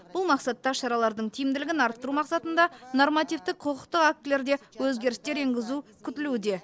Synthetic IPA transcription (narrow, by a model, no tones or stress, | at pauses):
b̥ʊlˠmɑqsɑt̪ːɑʃɑɾɑlˠɑɾd̪əɴt̪ʰijɪmd̪ɪlɪɡʲɪnɑɾt̪ːəɾumɑqsɑt̪ənd̪ɑno̞rmɑt̪ijft̪ɪqqʰoqə̥qt̪əqak̚t̪lʲe̞ɾd̪e̞wɵzɡʲe̞ɾɪst̪e̞ɾeŋɡʲɪzukʲʰʏt̪ɪlud̪e̞